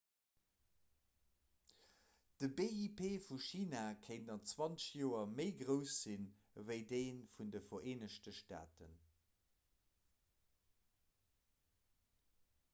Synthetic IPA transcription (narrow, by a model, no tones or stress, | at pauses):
d̥əbeipʰeːfuʃiːnaːkʰeɪntɑnt͡swɑnt͡sʃjoːɐməɪɡʁəʊsz̥in | vəɪdeɪnfundəfɐeːnəʃtəʃta̰ːtən